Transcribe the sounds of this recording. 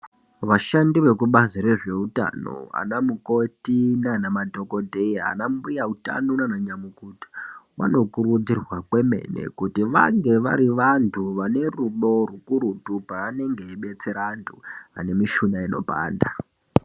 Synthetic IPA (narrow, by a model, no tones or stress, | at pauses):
ʋaʃandiʋe̞kuɓaziɾe̞ʐe̞uta̰no̞̰a̰namuko̞tinanamadʱo̞ko̞dʱeja̰nambujauta̰nunanaɲamukutḁʋa̰no̞kuɾud͡zirwakwe̞me̞̰ne̞̰kutiʋa̰ŋɡe̞ʋa̰ɾiʋantʰuʋane̞ruɗo̞rukuɾutupaːne̞ŋɡe̞iɓe̞t͡se̞ɾantʰṵɦa̰ne̞miʃunaino̞̰ɓa̰ːnda